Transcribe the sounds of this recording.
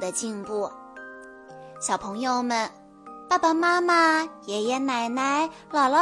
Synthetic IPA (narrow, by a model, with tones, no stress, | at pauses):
d̪ə˨t͡ɕi˥˧npu˥˩ | ɕjɑ˨˩ʊpʰɤ˧˥ŋjo˧ʊmə˨n | pa˥˧˩pa˨˩ma˥ma˨jɛ˨˩jɛ˧˥na˧˩ɪna˧˥ɪlɑ˨˩ʊlə˦˥